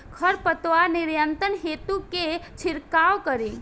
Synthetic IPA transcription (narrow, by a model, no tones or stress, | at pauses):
kʰəɾpət̪wanɪɾjənt̪ənɦeːt̪uket͡ʃʰɪɾkaːwkəɾẽ